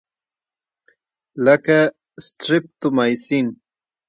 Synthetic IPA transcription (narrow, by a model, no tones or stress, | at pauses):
laka | st̪ɾɪp̚t̪ʊmajsin